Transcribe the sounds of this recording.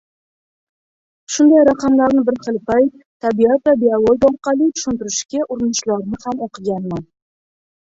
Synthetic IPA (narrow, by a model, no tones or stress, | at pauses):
ʃʊnd̪ajɾaqʰɑmlaɾnɪbɪɾχɨlˠpʰajt̪ʰːabijat̪vabialˠod̪ɒɾqɑlˠit̪ʰʊ̥ʃɪnt̪ɪɾɪʃkʲaʔʊɾɪnɪʃlaɾnɪhamoqʰɨɡʲanman